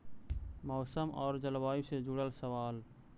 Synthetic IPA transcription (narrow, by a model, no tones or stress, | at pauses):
mɔːsəmɔːɾd͡ʒəlbaːused͡ʒuɽəlsəʋaːl